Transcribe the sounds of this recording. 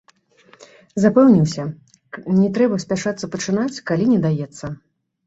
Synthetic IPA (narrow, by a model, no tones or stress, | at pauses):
zapɛwnʲiwsʲɐ | nʲɛt̪ɾɛbɐsʲpʲaʂat̪sːɐpɐt͡ʂɨnat͡sʲkalʲinʲɛd̪ajɛt̪sːɐ